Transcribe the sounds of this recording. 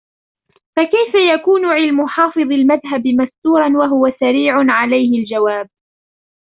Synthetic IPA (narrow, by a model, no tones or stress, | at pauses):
fakajfajakuːnʊʕɪlmʊħɑːfɨðˤɪlmaðɦabɪmast̪uːɾˤɑnwaɦʊwasaɾiːʕʊnʕalajhɪld͡ʒawaːb̚